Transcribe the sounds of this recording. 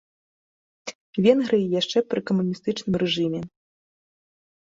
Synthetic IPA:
vʲɛnɣɾɨjijaʂt͡ʂɛpɾɨkɐmunʲist̪ɨt͡ʂnɨmrɛʐɨmʲɛ

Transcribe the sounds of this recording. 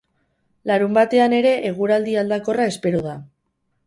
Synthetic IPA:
laɾumbat̪e̞ane̞ɾe̞ʔeɣ̞uɾald̪iald̪ako̞raespe̞ɾuða

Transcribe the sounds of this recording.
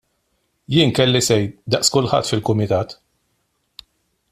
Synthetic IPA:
jɪːnkɛlːisɛjd̪ɐʔskʊlħɐ̰t̪ːfɪlkʊmɪt̪ɐːt̪

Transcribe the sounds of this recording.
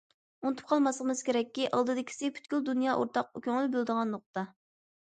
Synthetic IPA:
unt̪ʰu̥p̚qʰɑlˠmɑslˠəqmɨz̥kʲeɾɛkʲːiʔɑlˠd̪ɨd̪ɪkʲʰi̥sɪpʰyt̪kʲyld̪unjɑʔo̰ɾt̪ʰɑq̚kʲøŋlˠbyld̪əʁɑnːoq̚t̪ɑ

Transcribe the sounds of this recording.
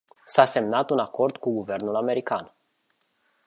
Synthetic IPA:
sase̞mnat̪unako̞rd̪kuɡuve̞rnulame̞ɾikan

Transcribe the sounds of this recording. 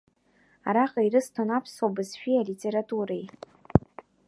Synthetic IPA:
a̰ɾaqʼaiɾɨstʰanapʰswabɨzʃᶣialitʲʰʼe̞ɾatʼuɾej

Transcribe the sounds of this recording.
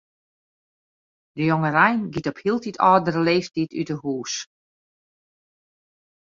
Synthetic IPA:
dəjoŋərɛjnɡitɔphiəlˠtitʰɔːdərəleːftity̰təhuːs

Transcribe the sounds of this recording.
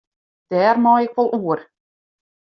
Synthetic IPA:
d̥ɛːrmɑːɪkʋɔlˠʔuər

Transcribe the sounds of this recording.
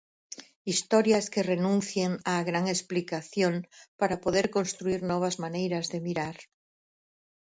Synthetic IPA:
ist̪oɾjaskerenũnθjeŋaɣɾaŋesplikaθjõŋpaɾapoðeɾkonst̪ɾuiɾnɔβ̞azmanejɾazðemiɾaɾ

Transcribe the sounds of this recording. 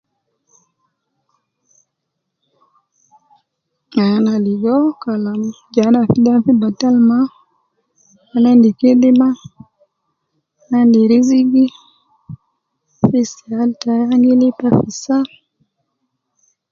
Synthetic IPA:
ŋanaliɡokalamd͡ʒanafidafibatalma | anandikedima | nandiɾiziɡi | fisialtajaŋɡilipafisa

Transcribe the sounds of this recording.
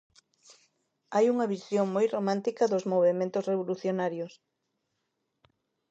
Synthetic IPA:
ajuŋɐβisjoŋmojromãnt̪ikɐðozmoβ̞emẽnt̪osreβ̞oluθjonaɾjos

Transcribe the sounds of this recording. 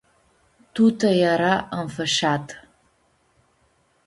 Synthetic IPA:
tʰutʰɐjaɾaəmfɐʃaːtʰʼ

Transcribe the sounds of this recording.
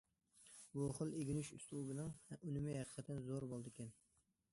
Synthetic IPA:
buχəlˠeɡʲinyʃyst̪ubɪnɨŋhynɪmɪhæqʰə̥qʰət̪ʰɨnzoɾbolˠd̪ɨkʲɛn

